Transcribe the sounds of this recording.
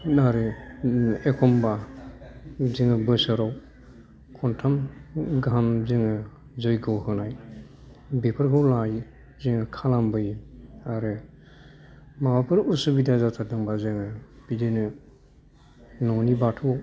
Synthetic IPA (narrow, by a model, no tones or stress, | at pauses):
naɾɯ | ekʰɔmba | zɯŋɯbɯsɯɾɔw | kʰɔntʰamɡamzɯŋɯ | zɔjɡɯwhɯnaj | bepʰɯɾkʰɯwlaj | zɯŋɯkʰalambɯjaɾɯ | mawapʰɯɾusubidazatʰadɯŋbazɯŋɯbidenɯ | nɔnibatʰu